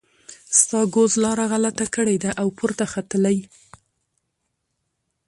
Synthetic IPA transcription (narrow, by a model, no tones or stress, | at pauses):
st̪ɑɡozlɑɾaɣalat̪akəɽed̪aʔawpʰʊɾt̪axat̪əlaj